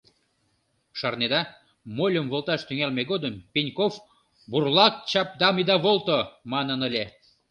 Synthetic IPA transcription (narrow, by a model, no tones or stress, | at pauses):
ʃɑrned̪ɑ | molʲəmvolˠt̪ɑʃt̪yŋælmeɣod̪əmpʲinʲkof | burlˠɑk̚t͡ɕɑp̚d̪ɑmid̪ɑβolˠt̪omɑnənəlʲe